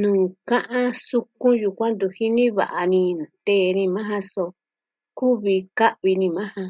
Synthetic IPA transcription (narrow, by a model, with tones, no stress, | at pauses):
nũː˨kã˦ʔã˦su˧kũ˦ju˧kʷã˦nd̪u˧hi˦nĩ˦βa̰˨ʔa˧nĩ˧nã˨t̪e˦˨˧nĩ˧mã˦ɦã˧so˧ | ku˦βi˧ka˦ʔβi˧nĩ˧mã˦hã˧